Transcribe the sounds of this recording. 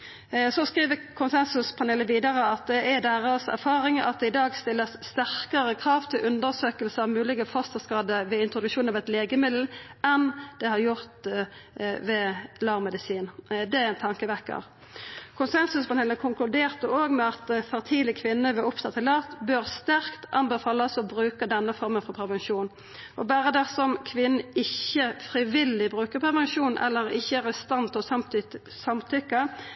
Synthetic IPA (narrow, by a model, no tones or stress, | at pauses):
sɔskʁiːʋəkʰʊnsɛnsʉspʰɑneːləʋiːd̪ɑʁəɑt̪̚d̪ɛæd̪æːʁəsæ̰ʁfɑːʁɪŋɑ̰t̪̚d̪ɛɪd̪ɑːɡst̪ɪlːəsːt̪æʁkəʁəkʰʁɑːʋt̪ʰɪlʔʉnd̪əʁsøːkəlsəɑʋmʉːlɪɡəfɑst̪əskɑːd̪əʋɛɪnt̪ʁʊd̪ʉkʃuːnɑʋɛt̪leːɡəmɪd̪l̩ɛnd̪̥ɛhɑʁjʊʁt̪ | ʋɛlɑːʁmɛd̪ɪsiːnd̪ɛɛnt̪ʰɑŋkəʋæʁkɑ̰ʋ | kʰʊnsɛnsʉsmɑnhɛlːəkʰʊŋklʉd̪eːʁt̪əoːɡmɛɑt̪fɑʁt̪ʰiːlɪkʰʋɪnːəʋɛʊpt̪ʰɑt̪ʰːɪlɑʁt̪bøːʁst̪æʁkt̪ʔɑmbɛfɑːlɑsɔbʁʉːkəd̪ɛnːəfɔɾmənfɔʁpʰɛʋɛnʃuːn | ʔɔbæːɾəd̪ɛsɔmkʰʋɪnn̩ɪçːəfɾɪʋɪlɪbʁʉːkəʁpʰɛʁʋɛnʃuːnʔɛ̰lːəɾɪçːəæʁəst̪ɑnt̪ɔɑm | sɑmt̪ʰʏkːə